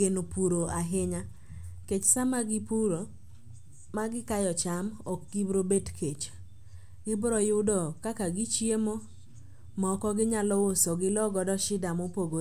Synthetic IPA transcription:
enopuɾoaɦɪɲa | ket͡ʃsamaɡɪpuɾo | maɡɪkajɔt͡ʃamɔk̚ɡ̥ibɾobetkʰet͡ʃ | ɡɪbɾɔjʊdɔkakaɡɪt͡ʃjemo | mɔkɔɡɪɲalɔwosoɡɪlɔɡɔdɔʃɪdamopoɡo

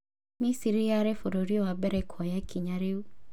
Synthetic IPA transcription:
misiɾiaɾefoɾoɾiowabɛɾɛkʰɔjakʰiɲaɾeu

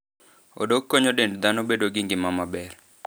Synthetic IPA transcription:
o̰dokːoɲodendd̪anobedoɡɪŋɡɪmamabɛr

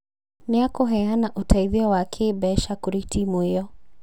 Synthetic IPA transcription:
neakoɦɛanaʔotʰaiðiɔwakʰebɛʃakoɾitʰimuejɔ

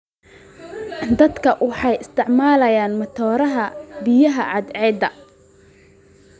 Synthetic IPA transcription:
d̪ɐd̪kʰɐwɑħɑjɪst̪ʰɪʕmaːlɐjaːnmɐt̪ʰɔːɾɐɦɐbɪjɐɦɐʕɑd̪ʕɛːd̪ɐ

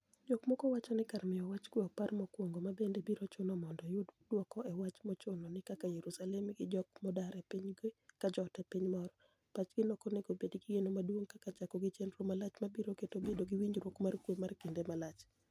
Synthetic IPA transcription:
d͡ʒɔkmɔkɔwat͡ʃɔnɪkarmɪjɔwat͡ʃkwɔparmɔkwoŋɡomabendebiɾot͡ʃʊnɔmɔndɔjʊddwɔkɔʔɛwat͡ʃmɔt͡ʃʊnɔnɪkakajeɾusalɛmɡɪd͡ʒɔkmɔdaɾɛpiɲɡekad͡ʒɔtɛpiɲmɔɾɔ | pat͡ʃɡ̥ɪnɔkɔneɡobedɡɪjenomadwoŋkakat͡ʃakɔɡɪt͡ʃɛndɾomalat͡ʃmabiɾoketobedoɡɪwiɲɾwokmarkwomarkendemalat͡ʃ

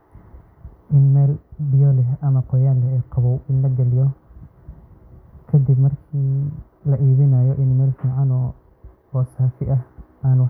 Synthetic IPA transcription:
ʔɪnmɛːlbɪjɔlɛɦʔɐmɐqɔjaːlɛɛjqɑβɔwɪnlɐɡɐlɪjɔ | kʰɐd̪ɪbmɐrkʰiː | lɐʔiːðɪnɐjɔʔɪnmɛːlfiːʕɑnɔː | ɔːsaːfɪʔɐh | aːn

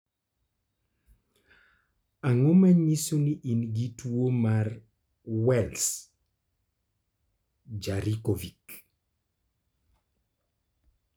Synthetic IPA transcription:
aŋomaɲisuniʔinɡituomar | wɛls | d͡ʒaɾikovik

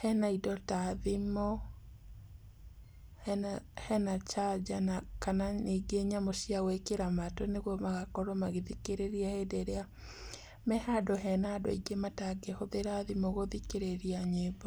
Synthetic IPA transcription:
hɛnaidɔtaðimɔ | hɛnat͡ʃad͡ʒanakananiɡeɲamoʃiawekeɾamatoneɣwɔmaɣakɔɾomaɣeðikeɾeɾiɛhedeɾea | mɛhadɔɦɛnadɔ̰iɡemataɡehoðeɾaðimɔɣoðikeɾeɾiaɲebɔ

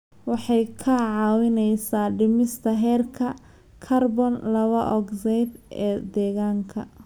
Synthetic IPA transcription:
wɑħɑjkʰɐʕɑːwɪnɛjsaːɖɪmɪst̪ʰɐɦɛːrkʰɐ | kʰɐrbɔnlɐβɐʔɔɡsɛjd̪ɛːd̪ɛːɣaːŋkʰɐ̰

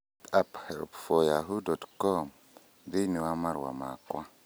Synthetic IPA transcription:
tapheɾo̰pfojaɦudɔtkɔm | diniwamaɾwa̰makwa

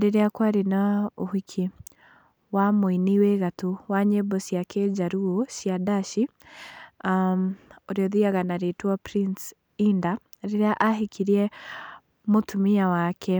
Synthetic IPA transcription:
deɾeakwaɾenaohikʰi | wamoiniweɣatuwaɲebɔsjakʰed͡ʒaɾuosjadaʃi | moɾeɔðiaɣanaɾetwapɾins | inda | ɾeɾeaʔaɦikʰiɾiɛ | motʰumiawakʰɛ

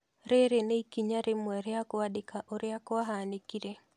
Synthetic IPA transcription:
ɾeɾeneikiɲaɾemwɛɾɪakɔwadɪkaʔoɾɪjakɔwaɦanekiɾe

